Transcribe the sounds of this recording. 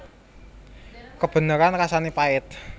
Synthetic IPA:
kəb̥ə̤nəɾankasanipaɪt̪̚

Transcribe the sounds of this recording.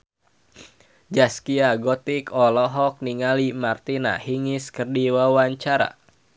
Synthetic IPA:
d͡ʒaskiaɡɔt̪ikɔlɔɦɔk̚niŋalimart̪ina̰hiŋɪskərdiwawaɲt͡ʃaɾa̰

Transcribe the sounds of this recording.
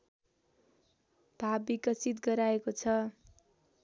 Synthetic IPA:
b̥ʱabikʌsʰit̪ɡʌɾaekot͡sʰʌ

